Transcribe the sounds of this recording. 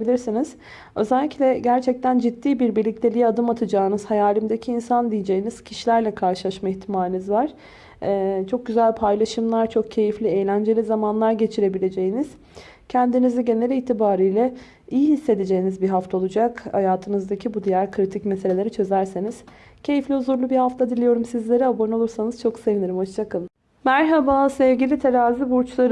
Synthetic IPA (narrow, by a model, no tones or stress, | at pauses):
bilʲiɾsiniz̥ | ø̞zɛlʲːiclʲɛɟæɾt͡ʃʰɛc̚t̪ʰænd͡ʒit̪ʰːiːbiɾbiɾlʲic̚t̪ʲʰe̞lʲijiad̪ɯmat̪ʰad͡ʒaːnɯz̥hajaːlʲimd̪ecʰiːnsand̪ijed͡ʒejiniz̥cʰiʃilʲæɾlʲɛkʰaɾʃɯlˠaʃmaiçt̪ʰimaːlʲinizvaɾ̥ | t͡ʃʰo̞k̚ɟyzælʲpʰajlˠaʃɯmlˠaɾt͡ʃʰo̞k̚cʰe̞jiflʲiejlʲænd͡ʒe̞lʲizamanlˠaɾɟe̞t͡ʃʰiɾe̞bilʲe̞d͡ʒe̞jiniz̥ | cʰɛnd̪iniziɟe̞nelʲiiːt̪ʰibaːɾijlʲɛ | ijiɦisːe̞d̪ed͡ʒe̞jinizbiɦaft̪ʰaolˠud͡ʒakha̰jaːt̪ʰɯnɯzd̪acʰibud̪ijæɾkʰɾit̪ʰicmeselʲe̞lʲe̞ɾit͡ʃʰø̞zæɾseniz̥ | cʰe̞jiflʲihuzuɾlˠubihaft̪ʰad̪ilʲijo̞ɾumsizlʲe̞ɾɛabono̞lˠuɾsanɯz̥t͡ʃʰo̞kse̞viniɾimho̞t͡ʃt͡ʃʰakɯlˠ | mæɾɦabasɛvɟilʲit̪ʰeɾaːzibuɾt͡ʃlˠaɾɯ